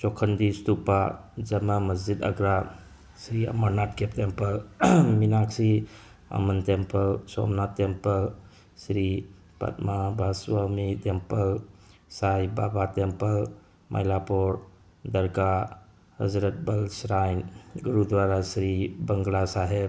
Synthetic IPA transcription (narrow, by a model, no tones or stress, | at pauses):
t͡ʃokʰənd̪ist̪upad͡ʒɐmaməsd͡ʒid̪ɐ̰ɡɾa | sɾiə̰məɾnaːt̪kept̪empəlmiminaːksi | ə̰mənt̪empəlso̰ːmnat̪ːempəl | sɾi | pɐ̰t̪mabʱaswamit̪empəlsaːibaːbat̪empəl | mʔɐ̰jlapoːɾ | d̪əɾka | hɐzɾət̪̚bəlsɾaːjnɡuɾud̪ʋaːɾasɾibəŋɡlasaːɦeb